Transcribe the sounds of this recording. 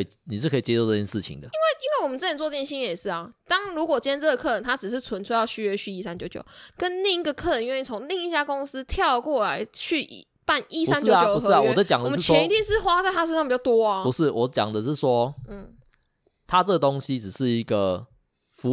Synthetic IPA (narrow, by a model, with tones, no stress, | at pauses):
i˨˩ni˨˩ʂɻ̩˥˩kʰɤ˧˥i˨t͡ɕje˥o˥˧t͡sɤ˥˩t͡ɕjɛ˥nʂɻ̩˥˩t͡ɕʰḭ˨˩ŋd̪ə˩i˥nwe˥˩ɪi˥nwe˥˩wmə˨nt͡s̩˥˩ə˨˩t͡sɔ˥˧˥t͡ɕjɕi˥njɛ˨˩ʂɻ̩˥˩ɐ˩t̪ɑ˥ŋɻu˧˥kwɔ˨˩t͡ɕi˥ə˥nt͡sə˥˩ɡə˩kʰɤ˥˩ə˧˦nt̪ʰa˥ʈ͡ʂɻ̩˨˩ʂ̬ɻ̩˥˩t͡sʰwə˧˦nt͡sʰu˥˧jɑ˥˧ʊɕy˥ɥɛ˧t͡ɕʰy˥˩i˧˥˩sa˥˦nt͡ɕjo˨˩ʊt͡ɕjo̰˨˦ʊkə˦nna˥˧i˥ɡə˨kʰɤ˥˩ə˨˦ni˦nwe˥˩t͡sʰo˧˦ŋli˥˧ŋi˥˩t͡ɕja˥˩kʊ˥ŋs̩˦t̪ʰjɑ˥˧ʊkwɔ˥˩la˧˦ɪt͡ɕʰy˥˩˨ | pa˥˩ni˥sa˥nt͡ɕjo˥˨˦o˨˩u˧x̩˥˩a˨wɔ˨də˦˩t͡ɕjɑ˨˩ŋd̪ə˨mə˥˩t͡ɕɔɛ˧˥ni˥˩t̪ʰji˥nʂɻ̩˥˩xwa˥t͡sa˥˩ɪt̪ʰa˥ʂə˥n̬sɑ˥ŋpi˨˩t͡ɕɑ˥˩t̪wɔ˥ɐ˧pu˧˦ʂɻ̩˥˩wɔ˨˦t͡ɕjɑ̰˨˩ŋd̪ə˦ʂɻ̩˥˩swɔ˦n̩˥˩ | t̪ʰa˦t͡sə˥˩ɡə˩t̪o˥ŋɕi˦ʈ͡ʂɻ̩˨˩ʂɻ̩˥˩i˧˦ɡə˨ | fu˧˦